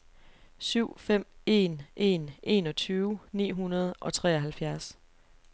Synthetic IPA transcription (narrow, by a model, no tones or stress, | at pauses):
syʊ̰fem̰e̝̰nʔe̝̰ːnʔe̝ːnɒ̽t͡sʰyːʊnḭːɦunɐð̞̩ˠʔɒ̽t͡sʰʁɛ̰ːɒɦælfjæɐs